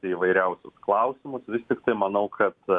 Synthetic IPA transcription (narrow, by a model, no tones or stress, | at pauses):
ɐɪiːʋɐɪɾʲɛʊsʲʊsklˠɐʊsʲɪmʊsʋʲɪst̪ʲɪkt̪ɐɪmɐnɐʊkʰɐt̪